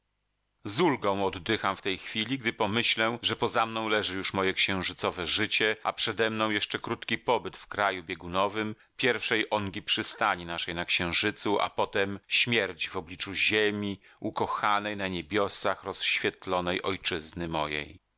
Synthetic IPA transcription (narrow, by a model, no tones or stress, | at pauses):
zulɡɔ̃w̃ɔd̪ːɘxamft̪ɛjxfʲilʲiɡd̪ɘpɔmɘɕlɛʐɛpɔzamnɔ̃w̃lɛʐɘjuʂmɔjɛkɕɛ̃w̃ʐɘt̪sɔvɛʐɘt͡ɕɛʔa̰pʂɛd̪ɛmnɔ̃w̃jɛʂt͡ʂɛkɾut̪kʲipɔbɘt̪fkɾajubʲjeɡunɔvɘm | pʲjɛɾfʂɛjʔɔŋɡʲipʂɘst̪aɲinaʂɛjnakɕɛ̃w̃ʐɘt̪suʔa̰pɔt̪ɛmɕmʲjɛɾt͡ɕvɔblʲit͡ʂuʑemʲi | ukɔxanɛjnaɲebʲjɔsaxɾɔsɕfʲjɛt̪lɔnɛjʔɔjt͡ʂɘznɘmɔjḛj